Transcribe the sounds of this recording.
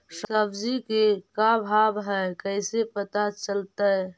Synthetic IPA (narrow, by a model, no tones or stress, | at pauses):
səbd͡ʒikekabʱabɦɛkəɪsepət̪at͡ʃəlt̪ə